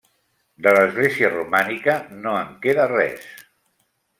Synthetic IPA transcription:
d̪ələzɣleziərumanikənoəŋkeðərɛ̰s

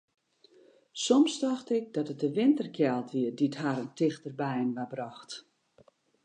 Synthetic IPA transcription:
sɔmstaxtɪk̚dɔtət̚dəʋɪntərkʰjɛlˠtʋiədithaɾəntɪxtərbɛjənʋabrɔxt

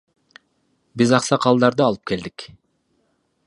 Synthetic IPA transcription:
bizɑqsɑqʰɑlˠd̪ɑɾd̪ɯɑlˠɯp̚ke̞ld̪ik

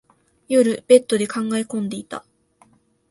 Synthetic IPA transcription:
jo̞ɾɯ̟b̥e̞t̪ːo̞d̪e̞kʰãŋɡaekõ̞nd̪e̞it̪a̰

